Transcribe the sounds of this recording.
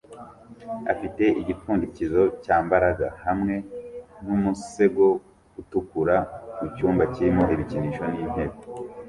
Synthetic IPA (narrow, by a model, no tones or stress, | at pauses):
a̰fite̞ʔiɟitfuːndicizo̞caːmbaɾaɡahamŋe̞n̥umuse̞ɡo̞ | ɡutukuɾamucuːmbaciɾimo̞hiβiciniːʃo̞niːn̥he̞ːko̥